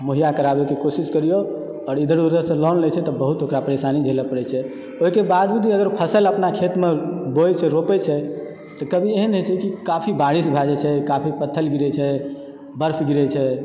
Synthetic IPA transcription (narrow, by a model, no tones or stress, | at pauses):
moɦijakəɾabekekosiskəɾijo | ɔːɾid̪ʱəɾd̪ud͡ʒəɾsə̃lɔnlɛt͡ʃʰɛt̪ɔbəɦut̪okɾapəɾesanid͡ʒʱeləpəɾɛt͡ʃʰɛ | oɦikebad̪d͡ʒud̪ʱiəɡəɾpʰəsələpnakʰet̪mebojt͡ʃʰɛɾopɛt͡ʃʰɛ | t̪ɔkəbʱieɦənɦet͡ʃʰɛkikapʰibaɽisbʱad͡ʒɛt͡ʃʰɛkapʰipət̪ʰːəlɡiɾɛt͡ʃʰɛ | bəɾpʰɡiɾɛt͡ʃʰɛ